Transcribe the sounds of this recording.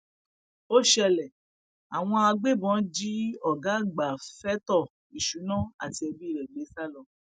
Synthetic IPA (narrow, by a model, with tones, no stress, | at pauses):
o˦ʃɛ˧lɛ˨ | a˨w̃ɔ̃˧a˧ɡ͡be˦˨bɔ̃˨˦d͡ʒi˦ɔ˦˨ɡa˨˦ɡ͡ba˨fɛ˦tɔ˦˨ | i˨ʃu˨˦nã˦˨a̰˨ti˧˦ɛ˧bi˦˨ɾɛ˨ɡ͡be˨˦sa˦lɔ˧˨